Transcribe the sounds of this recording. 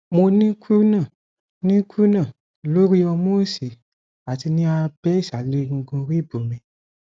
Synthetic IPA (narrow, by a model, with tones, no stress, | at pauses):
mo˧nĩ˦ku˦nã˦˨ | nĩ˦ku˦nã˦˨ | lo˦ɾi˦ɔ˧mo˦˨si˨ | a˨ti˧nĩ˦a˧bɛ˦i˦˨ʃa˨le˦ɡ̩̃˧ɡũ˧ɾi˦˨bo˨mĩ˧